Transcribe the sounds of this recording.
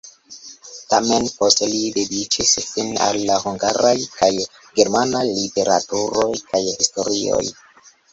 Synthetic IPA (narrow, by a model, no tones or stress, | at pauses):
tame̞npo̞stelide̞dit͡ʃisfina̰lːaɦuŋɡaɾajkaj | ɡe̞ɾmanajlite̞ɾa̰tuɾo̞jkajhisto̞ɾio̞̰j